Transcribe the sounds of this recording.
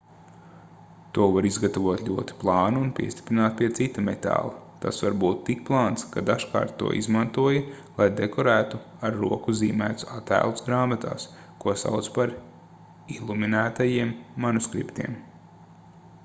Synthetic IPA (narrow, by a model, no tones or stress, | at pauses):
t̪uɔvaɾizɡat̪aʋuɔt̪lʲuɔt̪i̥plˠɑːnuunpʲḭɛst̪i̥pɾinaːt̪̚pʲiɛt̪sit̪ːamet̪a̰ːlˠɐt̪a̰svaɾbuːt̪ːik̚plˠɑːnt̪skad̪aʃka̰ːɾt̪ːṵɔ̰ʔḭzmant̪uɔjɐ | lˠajd̪ekɔɾæːt̪u | aɾːṵɔkuziːmæːt̪sat̪æ̰ːlˠusɡɾaːmat̪a̰ːs | kuɔsa̰wt̪spaɾ | ilˠuminæːt̪ajiɛmːanuskɾḭpt̪iɛm